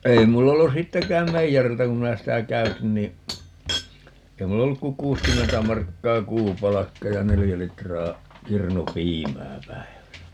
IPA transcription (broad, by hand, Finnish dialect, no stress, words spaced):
ei mulː olːu sitːekæːm meijæriltæ kum minæ sitæ kæytin niː ei mulː olːuk ku kuːskymːentæ mɑrkːɑː kuːpɑlɑkːɑ jɑ nelijæ litrɑː kirnupiːmæː pæi̯ʋæsæ